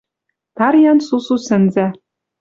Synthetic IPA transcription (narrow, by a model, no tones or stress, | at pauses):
t̪ɑɾjɑnsususɘ̆nzæ